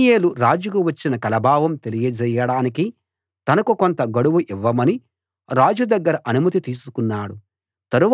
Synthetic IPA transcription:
jeːluɾaːd͡ʒukuʋɐt͡ʃːinɐkɐlɐbʱaːʋɐmt̪e̞lijɐd͡ʒɛjɐɽaːniki | t̪ɐnɐkukont̪ɐɡɐɽuʋuʔiʋːɐmɐni | ɾaːd͡ʒud̪ɐɡːɐɾɐʔɐnumɐt̪̬it̪iːsukunːaːɽu | t̪ɐɾuʋ

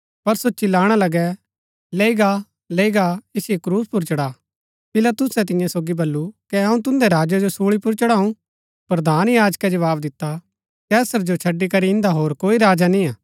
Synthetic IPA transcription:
pɐɾsot͡ʃɪlaːɽ̃alɐɡɛ | leiɡa | leiɡaɪsekɾuːspʊɾt͡ʃɐɽa | pɪlat̪ʊsɛt̪̬ɪ̃jãsoːɡibɐlːukɛɐũt̪ʊ̃nd̪ɛɾaːd͡ʒad͡ʒosoːɭipʊɾt͡ʃɐɽaːũ | pɾɐd̪ʱaːnjaːd͡ʒkɛd͡ʒɐʋaːbd̪ɪt̪ːa | kɛːsəɾd͡ʒot͡ʃʰɐɖːikɐɾiɪ̃nd̪aɦoːɾkoːiɾaːd͡ʒanĩaː

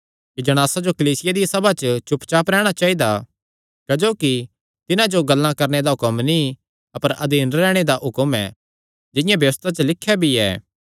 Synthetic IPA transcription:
kid͡ʒɐɽ̃aːsad͡ʒokɐliːsɪjad̪isɐbʱat͡ʃət͡ʃʊpt͡ʃaːpɾɛːɽ̃at͡ʃaːid̪a | kɐd͡ʒoːki | t̪ɪnãd͡ʒoɡɐlːãkɐɾned̪aɦʊkəmni | ɐpəɾɐd̪iːnɾɛːɽ̃ed̪aʔɦʊkəmɛ̰ː | d͡ʒɪjãbjɐʋəst̪ʰat͡ʃəlɪkʰːjabʱiɛ̰ː

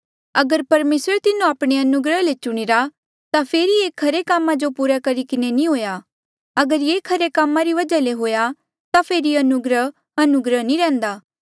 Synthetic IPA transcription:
ɐɡəɾpɐɾmeːsɾət̪ɪnũaːpɽ̃eɐnʊɡɾəɦlet͡ʃʊɽ̃iɾa | t̪apʰeːɾieːkʰɐɾekaːmːad͡ʒopuːɾakɐɾikɪnenĩɦoːja | ɐɡəɾjeːkʰɐɾekaːmːaɾiʋɐd͡ʒaleɦoːja | t̪apʰeːɾiɐnʊɡɾəɦ | ɐnʊɡɾəɦnĩɾɛ̃ːnd̪aː

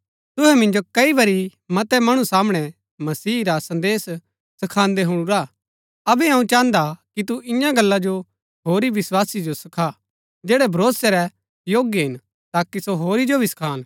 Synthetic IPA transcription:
t̪ʊɦɛmɪ̃nd͡ʒokɐiʋɐɾimɐt̪ɛmɐɽ̃ũsaːmɽ̃ɛ | mɐsiːɾasɐ̃nd̪eːs | sɐkʰãːnd̪ɛɦʊɽ̃uɾa | ɐbɛɐ̃ũt͡ʃãːnd̪akit̪̬uʔɪ̃jãɡɐlːad͡ʒo | ɦoːɾiʋɪswaːsid͡ʒosɐkʰa | d͡ʒeːɽɛbʱɐɾoːsɛɾɛ | joːɡjɦɪn | t̪aːkisoɦoːɾid͡ʒobʱisɐ̥kʰaːn

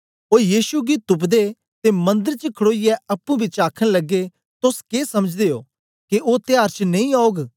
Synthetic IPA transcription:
oːjiːʃuɡit̪ʊp̬d̪e | t̪emɐ̃nd̪əɾt͡ʃəkʰəɽoːijɛɐpːũbʱit͡ʃaːkʰəɽ̃lɐɡːe | t̪ʊskeːsɐməd͡ʒd̪eːo̰ː | keʔoːt̪ɪjaːɾt͡ʃnẽĩaːoɡ

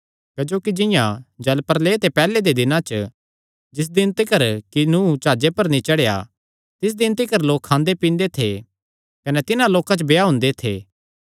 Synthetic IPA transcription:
kɐd͡ʒoːkid͡ʒɪ̃jãd͡ʒɐlpəɾleːt̪epɛːled̪ed̪ɪnãt͡ʃ | d͡ʒɪs̬d̪ɪnt̪ikɐɾkinut͡ʃaːd͡ʒepɐɾnĩt͡ʃɐɽeja̰ | t̪ɪs̬d̪ɪnt̪ikɐɾloːkʰːãːnd̪epĩːnd̪et̪ʰe | kɐnɛt̪ɪnãloːkat͡ʃəbejaɦʊ̃ːnd̪et̪ʰḛː

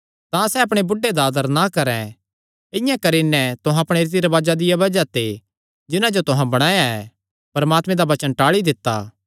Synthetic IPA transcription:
t̪ãsɛɐpɽ̃ebʊɖːed̪aːd̪əɾnakɐɾɛ̃ | ɪ̃jãkɐɾinɛt̪ʊɦãɐpɽ̃eːɾɪt̪̬iɾɐʋaːd͡ʒad̪ɪjabɐd͡ʒat̪e | d͡ʒɪnãd͡ʒot̪ʊɦãbɐɽ̃aːjaɛ | pɐɾɐmaːt̪mẽd̪aʋɐt͡ʃənʈaːɭid̪ɪt̪ːa̰ː

